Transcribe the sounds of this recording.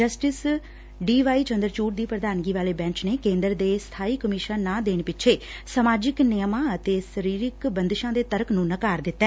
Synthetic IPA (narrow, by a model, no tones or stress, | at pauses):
d͡ʒəsʈɪs | ɖiːʋaːiːt͡ʃə̃nd̪əɾt͡ʃuːʈd̪iːpɾəd̪aːnɡiːʋaːleːbɛ̃ːɲt͡ʃneːkẽːnd̪əɾd̪eːst̪ʰaːiːkəmɪʃənːãːd̪eːɽ̃epɪʃʰeːsəmaːd͡ʒɪknɪjəmãːət̪eːsəɾiːɾɪkbənd̪ɪʃãːd̪eːt̪əɾəknũːnəkaːɾd̪ɪt̪ːɛ